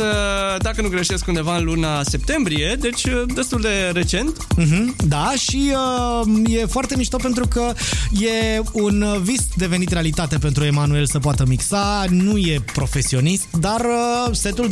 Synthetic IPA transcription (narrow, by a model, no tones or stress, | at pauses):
əd̪akənuɡɾeʃe̞skund̪e̞vaɨnlunase̞p̚t̪e̞mbɾije̞d̪e̞t͡ʃʲəd̪e̞st̪uld̪e̞ɾe̞t͡ʃe̞nt̪̩ɦm̩d̪aʃiəje̞foart̪e̞miʃt̪op̬e̞nt̪ɾukəje̞unvisd̪e̞ve̞nit̪re̞alit̪at̪epent̪ɾue̞manue̞lsəp̬oat̪əmiksanuje̞pɾo̞fe̞sio̞nist̪d̪arəse̞t̪ul